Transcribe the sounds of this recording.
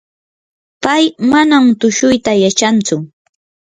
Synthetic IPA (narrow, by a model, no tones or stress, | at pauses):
pajmanamt̪ʊʃʊjt̪ajat͡ʃant͡sʊ